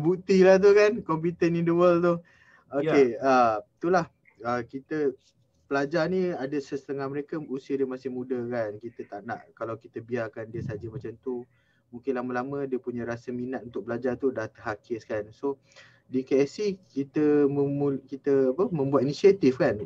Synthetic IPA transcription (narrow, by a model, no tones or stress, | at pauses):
but̪ilaht̪̬ukankɔmpit̪ənindəwəlt̪u | okeət̪ulah | əkit̪ə | pəlad͡ʒarniadəsəsə̥t̪əŋahməɾekausiədiəmasɪhmũdəkankit̪ət̪aʔna̰ʔkalawkit̪əbiarkandiəsad͡ʒəmat͡ʃamt̪u | mũŋkɪnlaməlamə̃diəpuɲãɾasəminat̪̚unt̪ʊk̚bəlad͡ʒart̪udaht̪əɦakɪskanso | dikeɛsikit̪əəukit̪əapəmə̃mbuat̪̚inisiat̪ifkan